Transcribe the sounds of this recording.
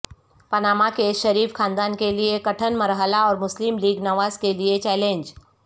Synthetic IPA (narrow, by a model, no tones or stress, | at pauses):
pɐnaːmakeʃɐɾiːfkʰãːnd̪aːnkeliekɐʈʰənmɐɾɦəlaɔːɾmʊslɪmliːɡnɐʋaːzkeliet͡ʃɛːlẽːnd͡ʒ